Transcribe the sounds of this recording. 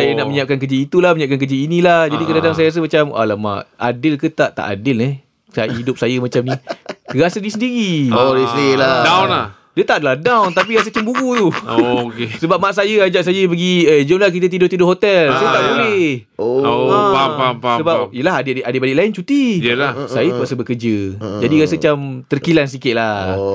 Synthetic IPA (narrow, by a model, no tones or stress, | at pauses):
sajənaʔməɲap̚kankəd͡ʒiːt̪ulahməɲap̚kankəd͡ʒiːnilahd͡ʒadikədadaŋs̬ajas̬əmat͡ʃama̰lama̰ʔa̰dɪlkət̪aʔt̪a̰ʔa̰dɪlne | saidʊp̚sajəmat͡ʃamniəɾasadisəndiɾioɾeseladawnlah | diət̪aʔadalahdawnt̪ap̬iɾas̬ət͡ʃəmbuɡut̪uokesəbap̚maʔs̬ajəad͡ʒaʔsajəbəɡiəd͡ʒonlak̬it̪̬at̪idʊht̪idʊʔɦot̪ɛlsajat̪aʔbəlɪh | oapampasəbapijəlaɦadɪʔʔadɪʔbalɪʔlaɪnt͡ʃut̪iəlahsajət̪uasəbəkərd͡ʒəd͡ʒadiɣasət͡ʃamt̪ərkilans̬ikɪt̪̚la